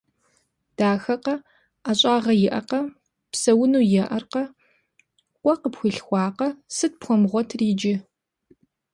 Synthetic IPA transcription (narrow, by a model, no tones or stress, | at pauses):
d̥aːxɐqɐ | aːɕʼaːʁɐjɪʔɐqɐ | psɐwʊnuːjɛʔɐrqɐ | qʷɔqəpxʷʊɬxʷɑːqɐsɨt̚pxʷɔmʁʷɔtʰriːd͡ʒɪ